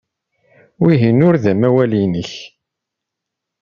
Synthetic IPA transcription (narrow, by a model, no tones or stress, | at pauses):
wiɦinʊɾðæmæwælinəç